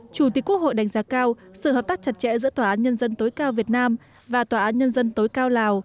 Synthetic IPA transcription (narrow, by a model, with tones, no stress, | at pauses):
t͡ɕu˧˩t̪i˨˩˥əku˦˥k̚ho̰˧˨jɗa˨˩jŋ̟zaː˨˦kaː˧wsɨ̰˧˨həː˨˩p̚t̪aː˦˥k̚t͡ɕa˨˩t̚t͡ɕɛ̰˧˥zɨ̰˧˥t̪waː˨˩ʔaː˨˦nɲə˧nzə˧nt̪o˨˦jkaː˧wvi˨˩ət̚naː˧m | vaː˨˩t̪waː˨˩ʔaː˨˦nɲə˧nzə˧nt̪o˨˦jkaː˧wlaː˨˩w